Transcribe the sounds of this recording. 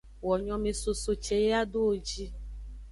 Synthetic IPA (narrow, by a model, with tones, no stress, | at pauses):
wɔ˨ɲɔ̃˨mẽ˨so˨so˨t͡ʃe˨je˦a˦ɖo˦o˨d͡ʒi˦